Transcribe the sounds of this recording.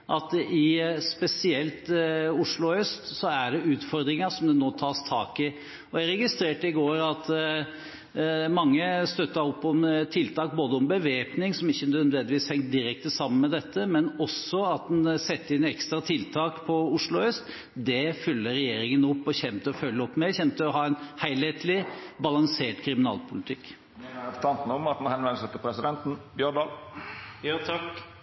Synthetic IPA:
ʔɑt̪ɪspɛsɪɛlt̪ʊʂɭʊhœst̪sɔæɖɛʉːt̪fɔɾd̪ɾɪŋɑsɔmd̪ɛnoːt̪ʰɑːst̪ʰɑ̰ːkɪ | ɔæɾɛɡɪst̪ɾeːʈəɪɡoːɾɑt̪ | mɑŋːəst̪œt̪ːɑɾɔpːɔmt̪ʰɪlt̪ʰɑːk̚boːd̪əɔmbəʋeːpnɪŋsɔmɪçːənd̪ʋɛnd̪ɪʋiːshɛŋt̪̚d̪ɪɾɛk̚t̪əsɑmːənmɛd̪ɛt̪ːəmɛnɔsɔɑt̪̚d̪ɛnsɛt̪ːəɪnɛkst̪ɾɑt̪ʰɪlt̪ʰɑːkpʰɔʊʂɭʊœst̪ | d̪ɛfʉlːəɾɛjeːɾɪŋənɔpːɔçɛmt̪əɔfœlːəɔpːmɛçɛmt̪əɔɦɑːɛnhæɪlheːt̪lɪbɑlɑŋseːʈkʰɾɪmɪnɑ̰ːlpʊlɪt̪ʰɪkː | ɛæft̪ʰɑnt̪nəɔmɑt̪̚n̩hɛnʋɛnəsət̪ːɪlpʰɾɛsɪd̪ɛnt̪n̩bjœɳd̪ɑːlː | t̪ʰɑk

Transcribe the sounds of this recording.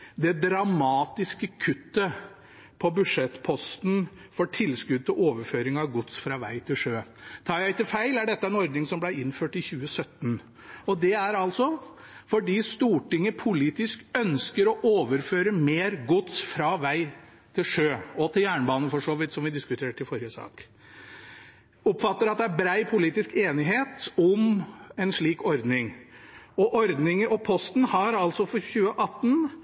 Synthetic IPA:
d̪ɛd̪ɾɑmɑːt̪ɪskəkʰʉt̪ːə | pʰɔbʉʂɛt̪ːpʰɔst̪nfɔʈʰɪlːskʉd̪̚t̪ʰɪʔoːʋəɾføːɾɪŋɑʋɡʊt̪sfɾɑːʋæ̰ɪt̪ʰɪlʂøːt̪ʰɑːɾjæɪt̪ɪlfæɪlæɖɛt̪ːəæɛnɔɾd̪nɪŋsɔmblæɪɪnːføːʈɪçʉːəsœt̪ːn | ɔd̪ɛæɾɑlt̪sɔ | fɔɖiːst̪uːʈɪŋːəpʰʊliːt̪ɪskœnskəɾɔʔoːʋəɾføːɾəmeːɾɡʊt̪sfɾɑʋæɪ | t̪ʰɪlʂøːɔt̪ʰɪljæːɳəbɑːnəfɔʂoːʋɪt̪ːsɔmʋɪd̪ɪskʉt̪ʰeːʈɪfɔɾɪəsɑ̰ːk | ɔpːfɑt̪ːəɾɑt̪̚d̪ɛæbɾæɪpʰʊliːt̪ɪskeːnɪɦeːt̪ʊmɛnʂɭiːkɔɾd̪nɪŋ | ɔʔɔɾd̪nɪŋəʔɔpʰɔst̪n̩hɑɾɑlsɔfɔçʉːəʔɑt̪ːn

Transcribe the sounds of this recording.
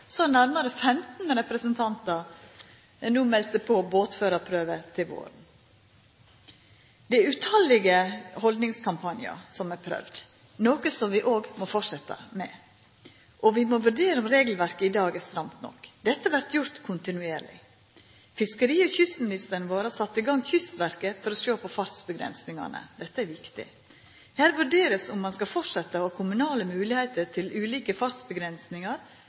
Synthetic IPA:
sɔnæɾməɾəfɛmt̪nəɾɛpɾəsənt̪ʰɑnt̪ɑɾ | nuːmɛlsəpʰɔboːt̪føːɾɑpʰɾøːʋət̪ʰɪlʋo̰ːɾn̩ | d̪̥ɛæɾʉt̪ʰɑlɪɡəhɔld̪nɪŋskʰɑmpʰɑnjɪɑ̰sɔmɛpʰɾœ̰ʋd̪ | noːkəsɔmʋɪʔoːɡmɔfɔʂɛt̪ːɑ̰mɛ̰ | ʔɔʋɪmɔʋʉɖeːɾəɔmɾeːɡlʋæɾkəɪd̪ɑːɡɛst̪ɾɑmt̪nɔ̰kːd̪ɛt̪ːəʋæɾt̪jʊɾt̪kʰʊnt̪ɪnʉeːɾɭɪ̰ | fɪskəɾiːɔçʏst̪mɪnɪst̪əɳəʋoːɾəsɑt̪ːiːɡɑŋːçʏst̪ʋæɾkəfɔɾɔʃoːpʰɔfɑsbəɡɾɛ̰nsnɪŋɑ̰ɳə̰d̪ɛt̪ːəæɾʋɪkt̪ɪ̰ | hæːɾʋʉɖeːɾəsʊmːɑnskɑfɔʈʂɛt̪ːəɔkʰʊmʉnɑːləmʉːlɪhɛɪt̪ət̪ʰɪlʉːliːkəfɑsbəɡɾɛnsnɪŋɑɾ

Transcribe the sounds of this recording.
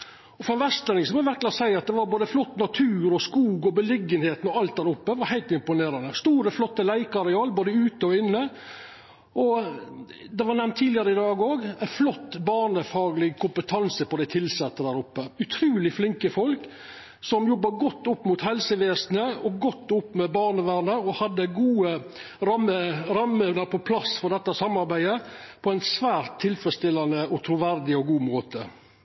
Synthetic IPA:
ɔfɔɾɛnʋæst̪lənɪŋsɔmɔʋæɾklɑsæɪɑt̪̚d̪ɛʋɑɾboːd̪əflɔt̪ːnɑt̪ʰʉːɾɔskuːɡɔbəlɪɡːənheːt̪n̩ɔɑlt̪̚d̪æːɾʊpːəʋɑɾhæɪlt̪ɪmpʊneːɾɑnəst̪uːɾəflɔt̪ːəlæɪkɑɾɪɑːlboːd̪əʉːt̪əɔɪnːə | ɔ | d̪ɛʋɑɾnɛmnt̪ʰːiːd̪lɪəɾəɪd̪ɑːɡoːɡæɪflɔt̪ːbɑːɳəfɑːɡlɪɡkʰʊmpət̪ʰɑnsəpɔd̪æɪt̪ʰɪlsɛt̪ːəd̪æːɾʊpːəʉt̪ʰɾʉːlɪflɪŋkəfɔlk | sɔmjɔbːɑɡɔt̪ːʊpːmʊt̪hɛlsəʋeːsnəɔɡɔt̪ːʊpːmɛbɑːɾɳəʋæːɾɳəɾɔhɑd̪ːəɡuːə | ɾɑməɾɑmːeʋnəɾpʰɔpʰlɑsfɔɾd̪ɛt̪ːəsɑmːɑɾbæɪd̪ə | pʰɔæɪnsʋæːɾt̪ʰːɪlfɾəst̪ɪlːɑnəɔt̪ʰɾuʋæɾd̪ɪɔɡuːmoːt̪ə

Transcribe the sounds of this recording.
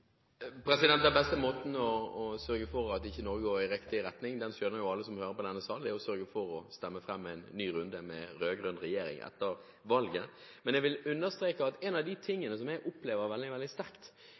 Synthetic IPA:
pʰɾɛsɪd̪ɛnt̪dæbɛst̪əmoːt̪n̩ɔːsœɾɡəfɔɾɑt̪ɪçːənɔɾɡəoːɾɪɾɪkt̪ɪɾɛt̪nɪŋd̪ɛnsøːəɾjʊɑlːəsɔmhøːɾəpʰɔd̪ɛnːəsɑːlɛʊsœɾɡəfɔɾɔst̪ɛmːəfɾɛmːæɪnːyːɾʉnd̪əmɛ̰ɾøːɡɾʉnɾɛjeːɾɪ̰ŋʔɛ̰t̪ːəɾ | ʋɑlɡə | mɛnɛɡʋɪlʉnːəɾst̪ɾeːkəɑt̪ɛnɑʋd̪ɪt̪ʰɪŋːənəsɔmɛʔʊpleːʋəɾʋɛld̪ɪʋɛld̪ɪst̪æɾkt̪

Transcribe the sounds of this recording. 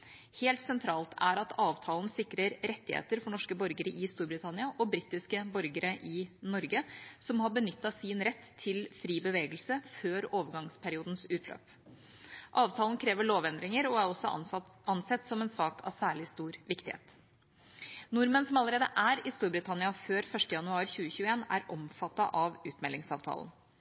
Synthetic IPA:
heːlt̪sɛnt̪ʰɾɑːlt̪ʰæ̰ɾɑt̪ʰɑːʋt̪ʰɑːln̩sɪkɾəɾɾɛt̪ːɪhḛːt̪əɾfɔɳɔʂkəbɔɾɡəɾəʔɪst̪uːɾbɾɪt̪ʰɑnɪɑʔɔbɾɪt̪ɪskəbɔɾɡəɾəʔɪnɔɾɡəsɔmhɑbənʏt̪ːɑsɪnɾɛt̪ʰːɪlfɾiːbəʋeːɡəlsəføːɾoːʋəɾɡɑŋspʰæɾɪuːd̪n̩sʉːt̪ʰlø̰ːp | ʔɑːʋt̪ʰɑːlnkʰɾeːʋəɭoːʋɛnd̪ɾɪŋəɾɔæɾɔsɔɑnsɛt̪ːsɔmɛnsɑːkʰɑ̰ʋsæːɭɪst̪uːɾʋɪkt̪ɪhḛːt̪ | nʊɾmənsɔmɑlːəɾeːd̪əʔæɾɪst̪uːɾbɾɪt̪ʰɑnɪɑføːɾfœʂtʈəjɑnʉɑːɾçʉːəçʉːəeːnæ̰ɾɔmfɑt̪ːɑʔɑʋʉːt̪mɛlɪŋsɑ̰ːʋt̪ʰɑ̰ːln

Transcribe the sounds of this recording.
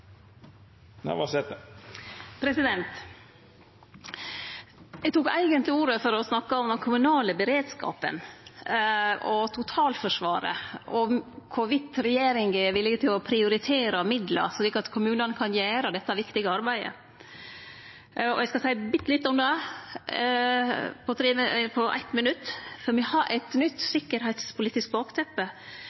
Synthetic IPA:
næ̰ʋɑ̰seɛt̪ə | pʰɾɛsɪd̪ɛnt̪ | ɛɡt̪uːkæ̰ɪɡənt̪lɪuːɾəfɔɾɔsnɑkːɑɔmd̪ɛnkʰʊmʉnɑːləbəɾeːd̪skɑ̰ːpə̰n | ɔt̪ʰʊt̪ʰɑːlfɔʂʋɑ̰ːɾə̰ʔɔkʰʊʋɪt̪ːɾɛjeːɾɪŋɡɛʋɪlːɪɡət̪ʰɪlɔpʰɾɪʊɾɪt̪ʰeːɾɑmɪd̪lə̰siːkːɑt̪kʰʊmʉːnənkʰɑnjæːɾɑd̪ɛt̪ːɑæɾʋɪkt̪ɪɡəɑɾbæɪə̰ | ɔ̰ɛɪskɑsæɪəbɪt̪ːlɪt̪ːɔmd̪ɛ | pʰɔt̪ʰɾeːpʰɔʔæ̰ɪt̪mənʉt̪ːfɔɾmɪhɑɾʔæ̰ɪt̪nʏt̪ːsɪkːəɾhɛɪt̪spʰʊliːt̪ɪsk̚bɑːkt̪ʰɛpːə

